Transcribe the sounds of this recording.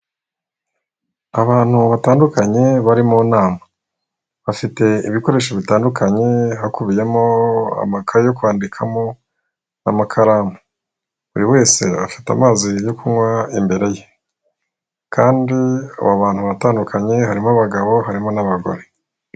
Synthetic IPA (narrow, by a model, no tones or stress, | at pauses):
aβaːn̥huβataːndukaɲe̞βaɾimunaːma | βafite̞iβiko̞ɾe̞ːʃ̬oβitaːndukʰaɲe̞ɦakuβije̞mo̞a̰makʰajo̞kwaːndikʰamo̞ | namakʰaɾaːma | βuɾiwe̞ːse̞̰βafi̥ta̰maːzijo̞kuŋwaimbe̞ɾe̞je̞ | kʰaːndiṵβaβaːn̥huβataːndukʰaɲe̞ɦaɾimaβaɡaβo̞ɦaɾimo̞naβaɡo̞̰ɾe̞